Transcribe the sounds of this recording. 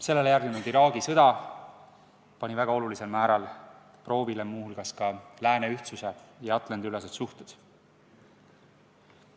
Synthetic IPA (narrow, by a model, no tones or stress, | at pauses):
se̞lːe̞lejæɾrɡ̪nenuld̪iɾɑːɡ̥isɤd̪̥ɑ | pɑnʲivæɡ̥ɑo̞lulise̞lmæːɾɑl | pro̞ːvilemuːhulɡ̥ɑskɑlæːneyht̪suse̞jɑɑt̪ˑlɑnd̪yles̬et̪suht̪ud̪̥